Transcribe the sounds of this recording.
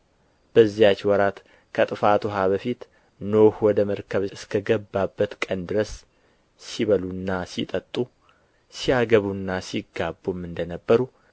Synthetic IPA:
b̥əzːijat͡ʃːwɔɾat̪ | kʰət̪ʼɨfat̪ʰuɦaβəfit̪ | nohwɔd̪əməɾkʰəβɨskʰəɡəbːabːət̪kʼənd̪ɨɾəs | siβəlunːasit̪ʼət̪ʼːu | siaɡəβunːasiɡabːumːɨnd̪ənəbːəɾu

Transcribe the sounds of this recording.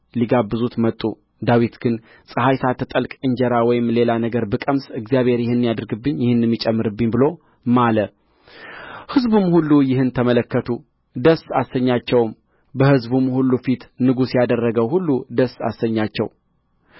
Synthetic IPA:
liɡabːɨzut̪mət̪ʼːu | d̪awit̪ɡɨn | sʼɨɦajsat̪ʰət̪ʼəlkʼɨɲd͡ʒɛɾawɔjɪmle̞lanəɡəɾbɨkʼəmsɨɡzjaβhe̞ɾjɪhɨnːijad̪ɨɾɡɨbːɨɲːjɪhɨnːɛmːit͡ʃʼɛmːɨɾɨbːɨɲːbɨlo̞ | malə | hɨzbumhulːujɪhɨnt̪ʰəmələkːət̪ʰu | d̪əsasəɲːat͡ʃːɛwm | bəhɨzbumhulːufit̪nɨɡusjad̪ərːəɡəwhulːud̪əsa̰səɲːat͡ʃːɛw

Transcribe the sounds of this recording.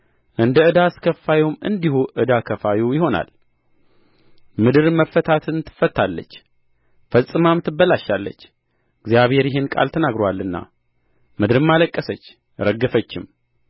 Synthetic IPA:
ʔɨnd̪əɨd̪askʰəfːajwumɨ̰nd̪ihuʔɨd̪akʰəfawujɪho̞na̰l | mɨd̪ɨɾməfːət̪ʰat̪ʰɨnt̪ʰːɨ̥fːət̪ʰːalːə̰t͡ʃː | fəsʼːɨmamt̪ʰɨbːəlaʃːalːə̰t͡ʃː | ɨɡzjaβhe̞ɾjɪɦenkʼa̰lt̪ʰənaɡɾowalːɨnːa̰ | mɨd̪ɨɾɨmːaləkʼːəsət͡ʃː | ɾəɡːəfət͡ʃːɪm

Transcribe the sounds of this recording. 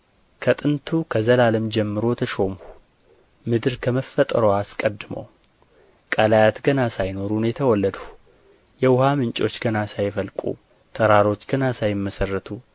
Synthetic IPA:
kʰət̪ʼɨnt̪ʰukʰəzəlaləmd͡ʒɛmːɨɾo̞t̪ʰəʃo̞mhu | mɨd̪ɨɾkʰəməfːət̪ʼəɾoaskʼəd̪ːɨmə̰w | kʼalajat̪ɡənasajno̞ɾunjɛt̪ʰəwɔlːəd̪u̥ | jɛwʊhamɨnt͡ʃʼo̞t͡ʃːɡənasajfəlkʼṵ | t̪ʰəɾaɾo̞t͡ʃːɡənasajɪmːəsərːət̪ʰu

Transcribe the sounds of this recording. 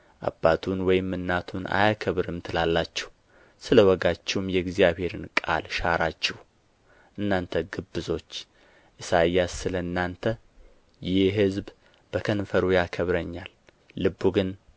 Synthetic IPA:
ʔa̰bːat̪ʰunwɔjɪmːɨnːat̪ʰunʔa̰jakʰəβɾɨmt̪ʰɨlalːat͡ʃːɛ̥h | sɨləwɔɡat͡ʃːɛwumjɛɡzijaβhe̞ɾɨnkʼa̰lʃaɾat͡ʃːɛh | ʔɨnːant̪ʰəɡɨbːɨzo̞t͡ʃː | ʔɨsajasːɨləɨnːant̪ʰə | jɪɦɨzb | b̥əkʰənfəɾujakʰəβɾəɲːalː | ɨbːuɡɨn

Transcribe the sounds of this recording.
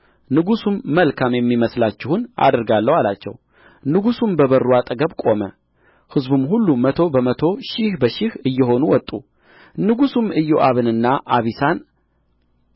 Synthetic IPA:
nɨɡusumːəlkʰamjɛmːiməslat͡ʃːɪhuna̰d̪ɨɾɡalːəwalat͡ʃːɛ̰w | nɨɡusumbəβərːuat̪ʼəɡəβkʼo̞mə̰ | hɨzbumhulːumət̪ʰo̞bəmət̪ʰo̞ʃɪhbəʃɪhɨjːɛɦo̞nuwɔt̪ʼːu | nɨɡusumɨjːoʔaβɨnɨnːaʔaβisan

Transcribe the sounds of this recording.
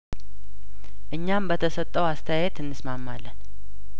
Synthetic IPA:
ʔɨɲːambət̪ʰəsət̪ʼːəwast̪ʰəjajet̪ɨnːɨsmamːalːən

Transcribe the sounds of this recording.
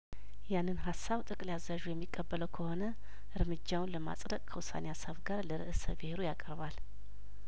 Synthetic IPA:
janːɨnɦasːaβt̪ʼɨkʼleazːaʒujɛmːikʼːəbːələwkʰəho̞nə | ʔɨɾmɨd͡ʒːawnləma̰sʼd̪əkʼkʰəwʊsa̰nejasəβɡaɾləɾɨ̰ʔɨsə̰bɨheɾujakʼəɾβal

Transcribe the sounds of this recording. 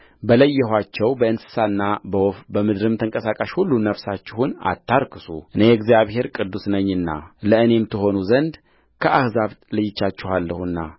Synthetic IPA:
bələjːɛɦʷat͡ʃːɛwbəɨnsɨ̥sanːabəwofbəmɨd̪ɾɨmt̪ʰəŋkʼəsakʼaʃhulːunəfsat͡ʃːɪhuna̰t̪ʰːaɾkʰɨsuʔɨnejɛɡzijaβhe̞ɾkʼɨd̪ːusnəɲːɨnːa̰ləɨne̞mt̪ʰɨɦo̞nuzənd̪ | kʰəahzaβlɨjɪt͡ʃːat͡ʃːɪhalːəhuɨnːa̰

